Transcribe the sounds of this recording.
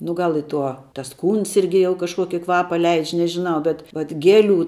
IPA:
nʊ ˈɡɐlˠ ɪ ˈtuɔ tɐs ˈkuːns ˈɪrʲɡʲɪ jɛʊ kɐʃˈkuɔkʲɪ ˈkʋɑːpɐ ˈlʲɛɪt͡ʃʲ nʲɛʒʲɪˈnɐʊ bʲɛt ʋɐt ˈɡʲæːˌlʲuː

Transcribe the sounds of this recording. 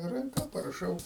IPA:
rɐŋˈkɐ pɐrɐˈʃɐʊ

